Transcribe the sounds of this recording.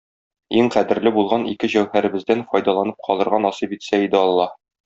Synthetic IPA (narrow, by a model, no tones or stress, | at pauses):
iŋqæd̪ɘ̆ɾlɘbulˠʁɑnḭkɘʑæwhæɾɘ̆bɘ̆zd̪ænfɒjd̪ɑlˠɑnɤp̚qʰɒlˠɤ̆ɾʁɑnɒsipit̪sæid̪ɘɒlˠːɑ